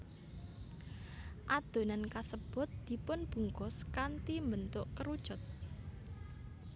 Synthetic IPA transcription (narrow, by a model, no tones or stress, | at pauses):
ʔad̪̥o̤nankasəb̥ʊ̤t̪̚d̪̥i̤pʊnb̥ṳŋkʊskant̪imbənt̪ʊʔkəɾud̥ʒ̥ʊ̤t̪̚